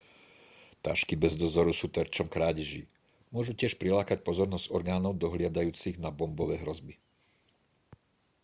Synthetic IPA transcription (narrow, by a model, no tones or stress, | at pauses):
t̪a̰ːʃkibɛzd̪ɔzɔɾusuːt̪ɛɾt͡ʃɔmkɾaːɟiʒḭ | mʊɔʒucɪɛʃpɾilaːkacpɔzɔɾnɔzɟ̥ɔɾɡaːnɔʊd̪ɔɦlɪad̪ajuːt͡siɣnabɔmbɔʋɛːɦɾɔzbi